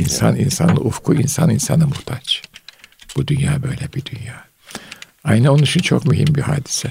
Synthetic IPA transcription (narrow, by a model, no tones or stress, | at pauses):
insa̰ninsanlˠɯ̰ʔufkʰuinsaninsanɯmuht̪ʰat͡ʃ | b̥ud̪ynjaːbø̞jlʲɛbid̪ynjaː | ajnɛonunit͡ʃʰint͡ʃʰokmyɦimbihaːd̪isɛ